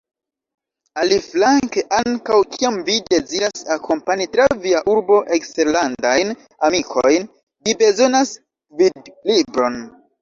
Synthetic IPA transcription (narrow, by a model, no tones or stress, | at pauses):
aliflaŋŋkeʔaŋkawkʰiamvide̞ziɾasako̞mpaɲitɾaviaʔuɾbo̞ʔe̞kste̞ɾlandajn | amikʰo̞jn | vibe̞zo̞nas | vidlibɾo̞n